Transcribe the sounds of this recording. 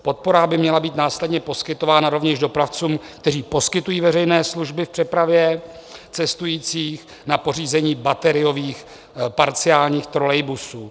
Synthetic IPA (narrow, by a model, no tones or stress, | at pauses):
po̞t̪̚po̞ɾabɪmɲɛlabiːt̪naːslɛdɲɛpo̞skɪt̪o̞vaːnaɾo̞vɲɛʒdo̞pɾaft͡suːmk̚t̪ɛriːpo̞skɪt̪ujiːvɛrɛjnɛːsluʒbɪfpr̥ɛpɾavjɛ | t͡sɛst̪ujiːt͡siːx | napo̞riːzɛɲiːbat̪ɛɾɪjo̞viːx | paɾt͡sɪaːlɲiːxt̪ɾolɛjbusuː